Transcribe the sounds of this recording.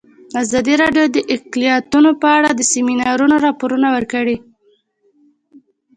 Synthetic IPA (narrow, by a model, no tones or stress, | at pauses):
azɑd̪iɾɑɖjod̪əʔɪqlijɑt̪unopəaɽad̪əseminɑɾunoɾɑpoɾunawəɾkəɽi